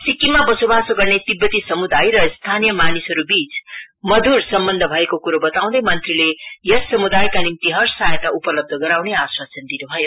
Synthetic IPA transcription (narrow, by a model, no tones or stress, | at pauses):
sikːimabʌsobasoɡʌrnet̪ibːʌt̪isʌmud̪ajɾʌst̪ʰanijʌmanisɦʌɾubit͡s | mʌd̪ʱursʌmbʌnd̪ʱʌbʱʌekokuɾobʌt̪aw̃d̪ʌjmʌnt̪rilejʌsʌmud̪ajkanimt̪iɦʌrsajet̪aupʌlʌb̚d̪ʱʌɡʌɾawneaswast͡sʌnd̪inubʱʌjo